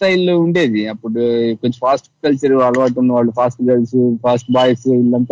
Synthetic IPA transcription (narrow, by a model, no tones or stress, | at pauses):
ʈɐjluɳɖeːðiɐpːoɽukɔɲd͡ʒɐ̃faːsʈkɐlt͡ʃɐɾɐɭːɐʋaːʈ̬ːunːɐʋaːɭːɐfaːsʈkɐlsufaːsʈbaːjɐsɪlːɐnt̪